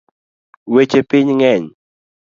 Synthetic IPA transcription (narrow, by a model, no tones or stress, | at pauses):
wet͡ʃepɪɲŋɛɲ